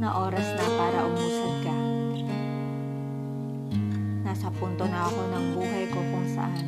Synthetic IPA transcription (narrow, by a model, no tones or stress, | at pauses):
naʔoɾasnapaɾa̰ʔumusuɡa | nasapunt̪ɔnaakonaŋbuɦajkopɔŋsa̰